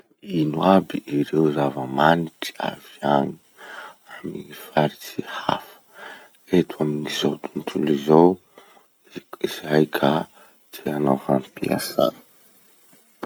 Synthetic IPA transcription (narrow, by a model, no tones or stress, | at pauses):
inwabiiɾewzavəmaniʈ͡ʂi̥a̰viani̥ | amiifaɾit͡siha̰fə̥ | et̪ʰwaminizot̪unt̪ʰulizow | izajkʰa | d̪eanafanpia̰sa̰